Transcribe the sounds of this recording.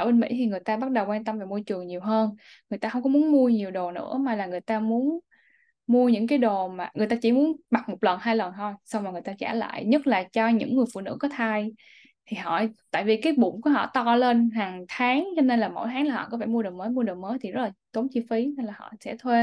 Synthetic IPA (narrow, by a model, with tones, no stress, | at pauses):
ʔəː˧˩ɓe˧nmḭ˧˥t̪ʰi˨˩ŋɨ˨˩əjt̪aː˧ɓa˦˥t̚ɗə˨˩wkwaː˧nt̪ə˧mvaː˨˩mu˧ət͡ɕɨ˨˩əŋɲi˨˩əwɦəː˧n | ŋɨ˨˩əjt̪aː˧hə˧wŋ͡mkɔ˨˦mu˨˦ənmu˧əɲi˨˩əwɗo˨˩nɨ̰˧˥əmaː˨˩laː˨˩ŋɨ˨˩əjt̪aː˧mu˨˦ən | mu˧əɲɨ̰˧˥ŋkaː˨˦jɗo˨˩maː˨˩ŋɨ˨˩jt̪aː˧t͡ɕi˧˩mu˨˦nɓa˨˩t̚mo˨˩k͡p̚lə˨˩nhaː˧jlə˨˩nt̪ʰo˧jsa˧wŋ͡mmaː˨˩ŋɨ˨˩əjt̪aː˧t͡ɕa̰ː˧˩la̰ː˧˨jɲə˦˥t̚laː˨˩t͡ɕɔ˧ɲɨ̰˧˥ŋːɨ˨˩əjfṵ˧˨nɨ̰˧˥kɔ˨˦t̪ʰaː˧j | t̪ʰi˨˩ɦɔ̰˧˨t̪a̰ː˧˨jvi˨˩kaː˨˦jɓʊ̰˧˩˨ŋ͡mku˧˩əɦɔ̰˧˨t̪ɔ˧le˧nɦaː˨˩ŋt̪ʰaː˨˦ŋt͡ɕɔ˧ne˧nlaː˨˩mo̰˧˥jt̪ʰaː˨˦ŋlaː˨˩hɔ̰˧˨kɔ˨˦faː˧˩mu˧ɗo˨˩məː˨˦jmu˧əɗo˨˩məː˨˦jt̪ʰi˨˩zə˦˥laː˨˩t̪o˨˦nt͡ɕi˧fi˨˦na˧jlaː˨˩hɔ̰˧˨sɛ̰˧˥t̪ʰwe˧